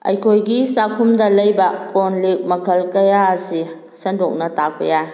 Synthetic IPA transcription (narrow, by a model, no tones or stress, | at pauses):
ɐ̰jkʰojɡisakʰumdɐlɐjbɐkonlik̚mɐkʰɐlkɐjaɐsi | sɐndɔk̚nɐtak̚pɐja